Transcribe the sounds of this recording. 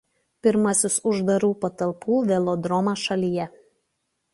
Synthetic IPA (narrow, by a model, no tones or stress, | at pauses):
pʲɪɾmɐsʲʊsʊʒd̪ɐɾuːpɐt̪ɐlˠpʰuːʋʲɛlˠɔd̪ɾɔmɑʃɐlʲijɛ